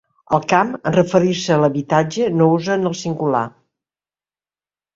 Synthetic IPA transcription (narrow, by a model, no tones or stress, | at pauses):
əlˠkamə̰nrəfəɾiɾsəːləβit̪ad͡ʒənouzənəlˠsiŋɡula̰